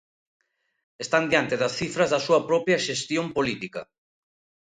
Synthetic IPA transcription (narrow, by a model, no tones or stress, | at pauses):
est̪and̪jant̪eðɐsθifɾɐzðɐsuɐpɾɔpɾjɐʃest̪jompolit̪ikɐ